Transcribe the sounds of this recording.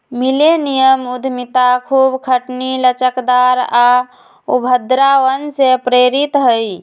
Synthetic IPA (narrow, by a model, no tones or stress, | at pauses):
milenijəmud̪ʱmit̪akʰubkʰəʈnilət͡ʃəkd̪aɾa | ubʱəd̪ɾaʋənsepɾeɾit̪ɦəj